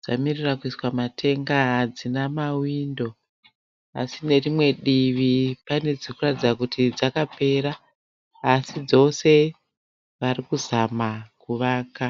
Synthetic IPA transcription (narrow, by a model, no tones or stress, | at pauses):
d͡za̰mirirakuiswamatʰe̞ŋɡaɦad͡zinamawiːndo̞ | a̰sine̞rimwe̞ɗiʋipane̞d͡zikuratid͡zakutʰid͡zakape̞ɾaː | sid͡zo̞se̞ | ʋarikuzamakuʋaːka